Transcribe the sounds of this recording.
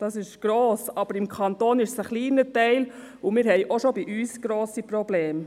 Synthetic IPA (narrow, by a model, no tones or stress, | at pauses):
d̥ɑsɪʃɡ̥ɾoːsɑb̥əɾɪmkʰɑnt̪oːnɪʃsəχliːnətɛɪl | ʊmɪːɾɦɛɪʔoʃobiʔyːsɡ̥ɾoːsipɾɔblɛːm